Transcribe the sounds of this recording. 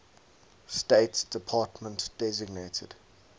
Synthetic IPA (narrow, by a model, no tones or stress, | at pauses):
steɪtsd̥ɪpʰɑːˑtmə̃ntd̥ɛzɪɡnetʰəd̥